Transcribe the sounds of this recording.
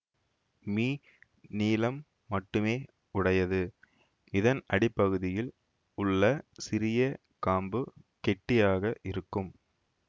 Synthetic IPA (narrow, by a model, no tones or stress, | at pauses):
miː | niːlɐmː | ɐʈːɯmeː | ʊɽɐjɐðɯ | ɪðɐnɐɽɪpːɐɣɯðɪjɪl | ʊɭːɐsɪɾɪjɐ | kaːmbɯkɛʈːɪjaːɣɐʔɪɾɯkːɯm